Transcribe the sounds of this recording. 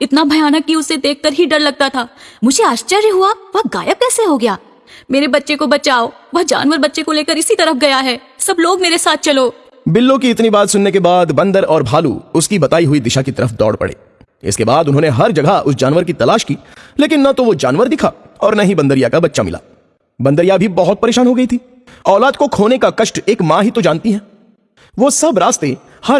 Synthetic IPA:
ɪt̪nabʱɐjaːnəkːiʊsːed̪eːk̚ʰkəɾɦiɖɐɾlɐɡ̚t̪at̪ʰaːmʊd͡ʒʱeaːʃt͡ʃəɾjəɦuaʋɐɡaːjəb̚kɛːseɦoɡɐjaː | meːɾebɐtːʃekobɐt͡ʃaːoː | ʋɐɦd͡ʒa̰ːnʋəɾbɐtːʃekoleːkəɾɪsit̪ɐɾəfɡɐjaɦɛː | sɐbloːɡmeːɾesaːt̪̚ʰt͡ʃɐloː | bɪlːõkiɪt̪nibaːt̪sʊnːekebaːd̪bɐ̃nd̪əɾɔːɾbʱaːlṵʊskibɐt̪aːiɦʊid̪ɪʃakit̪ɐɾəfd̪ɔ̰ːɽpɐ̰ɽḛː | ɪ̰skebaːd̪ʊnɦõːneɦɐɾd͡ʒɐɡʱəʔʊsd͡ʒaːnʋəɾkit̪ɐlaːʃkiːleːkɪnːɐt̪oʋod͡ʒaːnʋəɾd̪ɪkʰa | ɔːɾnɐɦibɐ̃nd̪əɾijakabɐtːʃamɪ̰lʔa̰ː | bɐ̃nd̪əɾjabʱibɐɦʊt̪̚pɐɾeːʃaːnɦoɡɐit̪ʰiː | ɔːlaːd̪kokʰoːnekakɐʃʈeːkmãːɦit̪od͡ʒãːnt̪iɦɛ̃ː | ʋosɐbɾaːst̪e | hɐ

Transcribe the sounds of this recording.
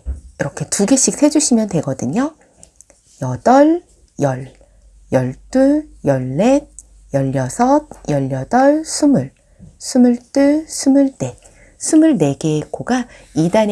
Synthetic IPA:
iɾʌkʰe̞tuɡeɕ͈ʰik̚sʰe̞d͡ʑuɕʰimjʌntwe̞ɡʌdɯɲo | jʌd̥ʌɭ | jʌɭ | jʌɭt͈ɯjʌɭːet̚ | jʌʎːʌsʰʌt̚jʌʎːʌdʌɭsʰumɯɭ | sʰumuɭt͈ɯsʰumɯɭt͈e̞ | sʰumuɭne̞ɡe̞koɡa | idan

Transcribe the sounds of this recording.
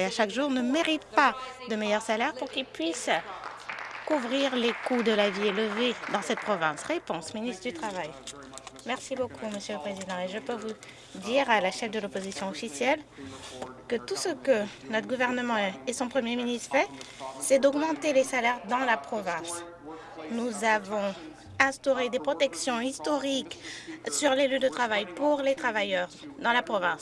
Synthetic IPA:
eaʃakʒuʁnəmeʁit̪̚pad̪əmejœʁsalɛʁpuʁkʲilpɥis | kuvʁiʁlekud̪əlavieləved̪ɑ̃sɛt̪̚pχɔvɛ̃sʁepɔ̃sminist̪χəd̪yt̪χavaj | mɛʁsibokʰuməsjøləpχezid̪ɑ̃eʒəpøvu | d̪iʁalaʃɛfd̪əlopozisjɔ̃ɔfisjɛl | kət̪usəkənɔt̪χɡuvɛʁnəmɑ̃esɔ̃pχəmjeminist̪fɛsɛd̪ɔɡmɑ̃t̪elesalɛʁd̪ɑ̃lapχɔvɛ̃s | nuzavɔ̃ | ɛ̃st̪ɔʁed̪epχɔt̪ɛksjɔ̃ist̪ɔʁiksyʁlelyd̪ət̪χavajpuʁlet̪χavajœʁd̪ɑ̃lapχɔvɛ̃s

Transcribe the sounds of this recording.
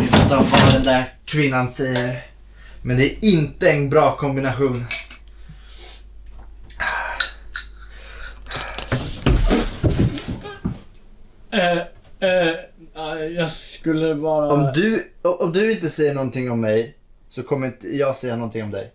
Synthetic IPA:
ɪvɛt̪ɔvad̪ɛnd̪æɾkʰvɪnːansɛjːəɾ | mɛnd̪ɛæɪnt̪əɛnbɾɑːkʰɔmbɪnaɧuːn | jɑːskɵlːəvɑːɾaɔmd̪ɵɔʔɔmd̪ɵɪnt̪əsɛjːəɳɔnt̪ʰɪŋːɔmːɛj | sɔkʰɔmːəɾɪnt̪əjɑːɡsɛjːanɔnt̪ʰɪŋɔmd̪ɛ̰j

